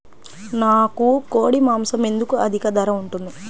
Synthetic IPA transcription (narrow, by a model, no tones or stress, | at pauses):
naːkukoːɽimaːmsɐme̞nd̪ukuɐd̪ʱikɐd̪ɐɾɐuɳʈund̪i